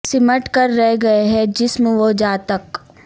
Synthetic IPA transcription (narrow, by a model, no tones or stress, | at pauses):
sɪməʈkɐɾːɛɦɡɐeɦɛd͡ʒɪsmeʋod͡ʒaːt̪ək